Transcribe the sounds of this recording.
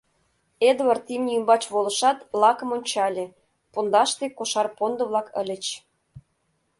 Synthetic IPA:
ed̪wɑrt̪imnʲiymbɑt͡ɕβolə̆ʃɑt̪lɑkə̆monʲt͡ɕɑlʲe | pond̪ɑʃt̪ekoʃɑrpond̪ə̆βlˠɑkə̰lʲə̆t͡ɕ

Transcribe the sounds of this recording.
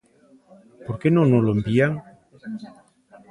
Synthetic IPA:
poɾkenõnoloembiaŋ

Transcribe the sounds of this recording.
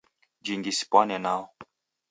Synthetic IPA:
d͡ʒiŋɡisi̥pwanɛnaɔ

